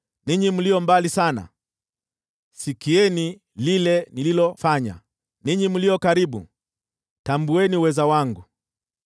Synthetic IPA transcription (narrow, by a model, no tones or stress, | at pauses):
niɲimulijɔmbalisana̰ | sikiɛni | lilɛnililɔfaɲa̰ | niɲimuliɔkaɾiɓṵ | tambuɛniwɛzawaŋɡu